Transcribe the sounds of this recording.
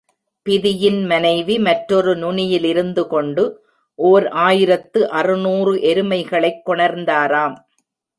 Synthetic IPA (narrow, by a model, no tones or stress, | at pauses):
pɪðɪjɪnmɐnɐɪʋimɐʈɾɔɾɯnʊɳɪjɪlɪɾɯnd̪ɯkɔɳɖɯ | ʔoːɾʔaːjɪɾɐt̪ːɯʔɐrɯnuːrɯʔɛɾɯmɐɪɣɐɭɐɪkːɔɳɐɾnd̪aːɾaːm